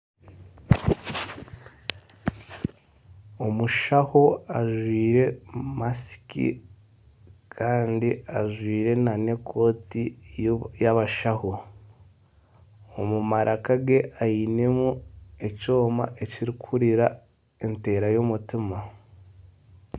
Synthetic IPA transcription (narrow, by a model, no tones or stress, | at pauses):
omuʃahoaʒwiːɾe̞masi̥kḭ | kʰaːndiaʒwiːɾe̞nane̞kʰo̞ːti | jaβaʃaho | omumaɾʔakaɡe̞ʔajine̞mue̞co̞ːma̰ʔeciɾikʰuɾiɾa | e̞nte̞ːɾajomutima